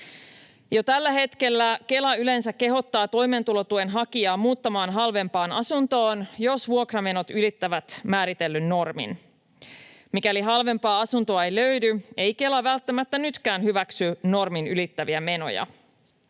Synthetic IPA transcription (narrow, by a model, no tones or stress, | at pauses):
jo̞t̪ælːæhe̞t̪ke̞lːæke̞lɑyle̞nsækːe̞ɦo̞t̪ːɑːt̪o̞jment̪ulot̪uenɦɑkiɑːmuːt̪ːɑmɑːnɦɑlʋe̞mpɑːnɑsunt̪o̞ːnjo̞sʋuokrɑme̞no̞t̪ylit̪ːæʋæt̪mæːɾit̪elːynːo̞rmḭn | mikæliɦɑlʋe̞mpɑːɑsunt̪oɑejløydye̞jke̞lɑʋælt̪ːæmæt̪ːænyt̪kæːnɦyʋæksyno̞rminylit̪ːæʋiæme̞no̞̰jɑ̰